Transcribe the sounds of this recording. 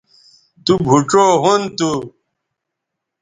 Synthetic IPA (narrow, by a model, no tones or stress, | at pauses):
t̪ubʱuʈ͡ʂoːɦunt̪u